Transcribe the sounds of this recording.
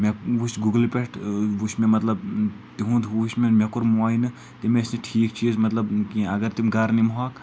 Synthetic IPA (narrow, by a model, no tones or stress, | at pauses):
meʋuʃɡuɡlpʲeʈuʃmẽmɐt̪lɐb | t̪iɦũd̪uʃmemʲekuɾmuaːjnɨ | t̪imesneʈʰiːkt͡ʃʰiːzmɐt̪lɐbkiɐɡɐɾt̪imɡɐɾnimɦaːk